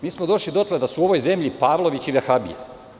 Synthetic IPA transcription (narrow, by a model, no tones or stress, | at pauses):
miːsmod̪o̞ʃlid̪o̞t̪led̪asuo̞ʋo̞jze̞mʎipaːʋlˠo̞ʋit͡ɕiʋexabḭja̰